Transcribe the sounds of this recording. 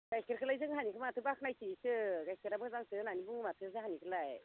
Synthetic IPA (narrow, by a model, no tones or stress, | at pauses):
ɡ̥ajkʰiɾkʰɯlajzɯŋɦanikʰɯmatʰɯbakʰnajtʰisɯɡajkʰiɾabɯɡzaŋsɯnanibuŋmatʰɯzɯhanikʰɯlaj